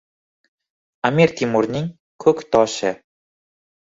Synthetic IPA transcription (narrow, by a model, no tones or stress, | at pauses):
amiɾt̪ʰimuɾnɪŋ | kʰɵkʲt̪ʰɒʃɪ